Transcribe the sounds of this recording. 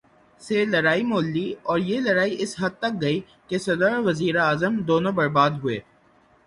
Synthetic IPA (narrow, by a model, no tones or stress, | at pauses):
selɐɾaːimoːlːiɔːɾjelɐɾaːiʔɪsɦɐd̪̚t̪ɐk̚ɡɐi | kesɐd̪əɾʋɐziːɾeaːzəmd̪oːnõbɐɾbaːd̪ɦʊḛː